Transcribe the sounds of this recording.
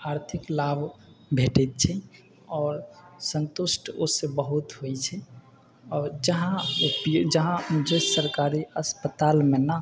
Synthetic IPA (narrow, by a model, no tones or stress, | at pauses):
aɾt̪ʰiklabʱbʱeʈɛt̪̚t͡ʃʰɛ | ɔːɾsə̃nt̪usʈʰosebəɦut̪ɦoɛt͡ʃʰɛ | ɔːɾd͡ʒəɦãpd͡ʒəɦãd͡ʒəsəɾkaɾiəspət̪almena